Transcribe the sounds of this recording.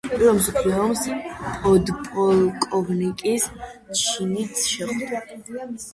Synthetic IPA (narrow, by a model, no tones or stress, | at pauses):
pʼiɾɔmsɔpʰliɔmspʼɔd̪pʼɔlkʼɔvnikʼist͡ʃʰinit̪sʰʃɛχd̪a